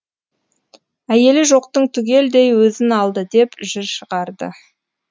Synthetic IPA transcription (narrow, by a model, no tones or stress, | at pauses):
æje̞lɪʒo̞q̚t̪əɴt̪ʰʏɡʲe̞ld̪e̞jwɵzɪnɑlˠd̪əd̪e̞pʒɪɾʃəʁɑɾd̪ə̰